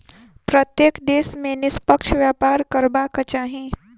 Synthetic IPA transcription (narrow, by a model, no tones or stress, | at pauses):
pɾət̪jeːkd̪eːsmẽnɪspəkʃʋjaːpaːɾkəɾbakɐt͡ʃaːɦĩ